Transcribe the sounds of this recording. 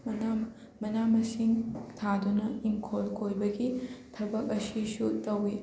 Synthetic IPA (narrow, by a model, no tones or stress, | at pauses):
na | mɐnamɐsiŋtʰadunɐiŋkʰolkʰojbɐɡitʰɐbɐk̚ɐsisutɐwːi